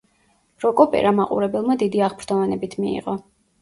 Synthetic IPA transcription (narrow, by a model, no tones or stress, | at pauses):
ɾɔkʼɔpʼɛ̰ɾamaqʼṵɾɛbɛlˠmad̪id̪iaʁpʰɾd̪ʰɔvɛnɛbit̪ʰmiḭʁɔ